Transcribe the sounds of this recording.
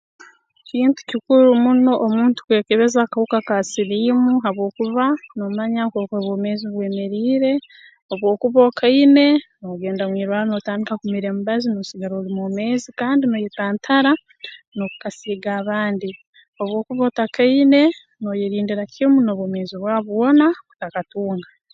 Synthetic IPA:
ciːntu̥cikuɾumuno̞ʔːmuːntu̥kwe̞ːkeβe̞zakahukakasiɾiːmuɦaβo̞ːkuβanomaɲakokoβwome̞ːziβwe̞ːmeɾiːɾe̞ | oβwo̞ːkuβokʰaine̞noɡe̞ːndamwiːɾwaːɾono̞taːndikakumiɾe̞mubazino̞siɡaɾoːlimume̞ːzikaːndinojetaːntʰaɾa | no̞kukasiːɡaːβaːndi | o̞βwo̞ːkuβautakaine̞ | no̞jeɾiːndiɾakimunoβomeːziβwaːβwo̞nautakatuːŋɡa

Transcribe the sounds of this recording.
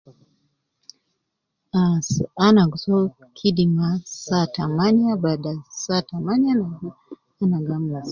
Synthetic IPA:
asanaɡsɔ | kʰidimasatamaniabadasatamaniana | anaɡamlas

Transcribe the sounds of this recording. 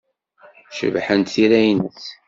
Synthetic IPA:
ʃə̰vħənt̪θiɾæjnθ

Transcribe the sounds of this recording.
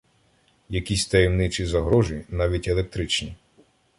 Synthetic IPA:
jɐkʲisʲt̪ɐjɛwnɪt͡ʃizɐɦɾɔʒinɑʋʲitʲelek̚t̪ɾɪt͡ʃnʲi

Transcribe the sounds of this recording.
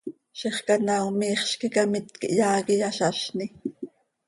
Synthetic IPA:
ʃeχkanawmiːχʃkikamɪt̪kiʔjɑːkijaʃɑʃni

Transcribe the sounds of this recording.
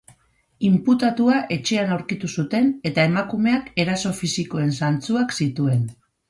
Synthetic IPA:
imput̪at̪uaʔe̞t͡ʃe̞anawɾkit̪usut̪e̞ne̞t̪ae̞makume̞ake̞ɾaso̞fisiko̞e̞nsant͡suaksit̪ue̞n

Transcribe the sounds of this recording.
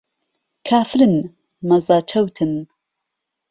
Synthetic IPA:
kʰaːfɾɨn | mɐzaːt͡ʃʰɐwt̪ʰɨn

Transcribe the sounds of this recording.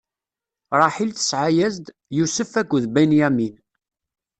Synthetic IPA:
ɾˤɑħilt̪ə̥sʕajæzd̪ | jusəfækʷːðbæjnjæmin

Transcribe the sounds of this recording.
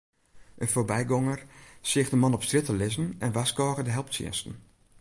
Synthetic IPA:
ʔənfoːrbɛjɡɔŋərsɪxdəmɑnɔpstrɪtəlɪzənɛnʋaskɔːɣədəɦɛlˠp̚tsɪ̰ənstən̩

